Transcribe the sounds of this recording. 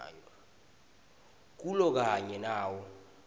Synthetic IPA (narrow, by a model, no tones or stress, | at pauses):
jɔ | k̬ulɔk̬aɲɛnaːwɔ